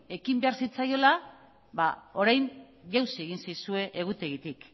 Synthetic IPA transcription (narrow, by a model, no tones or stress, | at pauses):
e̞kimbe̞aɾsit͡sajo̞la | βao̞ɾajn | ʝawsie̞ɣinsajsue̞ʔeɣ̞ut̪e̞ɣit̪ik